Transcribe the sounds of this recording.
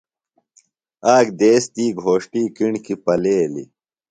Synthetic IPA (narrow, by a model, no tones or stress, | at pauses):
aːɡd̪eːst̪iːɡʱoːʂʈiːkiɳkipɐleːlḭ